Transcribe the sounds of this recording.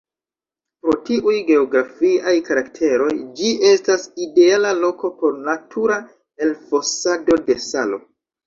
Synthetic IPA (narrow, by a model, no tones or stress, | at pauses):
pɾo̞tiʔujɡe̞oɡɾafiajkaɾaktʰe̞ɾo̞jd͡ʒiʔe̞staside̞alalo̞ko̞po̞ɾnatʰuɾa | e̞lfo̞sado̞de̞salo̞̰